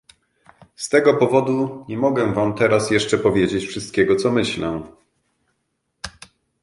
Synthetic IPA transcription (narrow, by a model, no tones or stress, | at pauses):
st̪ɛɡɔpɔvɔd̪uɲɛmɔɡɛ̃vamt̪ɛɾasjɛʂt͡ʂɛpɔvʲjed͡ʑet͡ɕfʂɘst̪̚kʲɛɡɔt̪sɔmɘɕlɛ